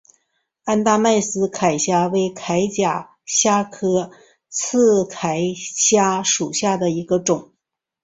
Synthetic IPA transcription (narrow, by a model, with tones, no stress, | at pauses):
a˥nt̪a˥˧ma˥˩ɪsɹ̩˥kʰa˨˩ɪɕja˥we˥˩ɪkʰa˧˥ɪt͡ɕja˨˩ | ɕja˥kʰɤ˥ | t͡sʰɹ̩˥˩kʰa˨˩ɪɕja˥ʂu˨˩ɕja˥˩d̪ə˩i˧˥ɡə˧ʈ͡ʂʊ˨˩˦ŋ